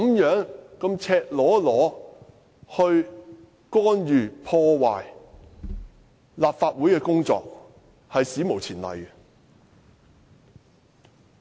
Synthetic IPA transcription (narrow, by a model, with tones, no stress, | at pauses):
mjœː˨˥ŋkɐ˧mt͡sʰɛː˧k̚lɔː˨˥lɔː˨˥ | hɵ˧ɥ | kɔː˥njyː˨pʰɔː˧waː˨j | laː˨p̚faː˧t̚wuː˨˥jkɛː˧kʊ˥ŋt͡sɔ̰ː˧k̚ | hɐ˨jsiː˨˥mo˨˩wt͡sʰiː˨˩nlɐ̰˨˩j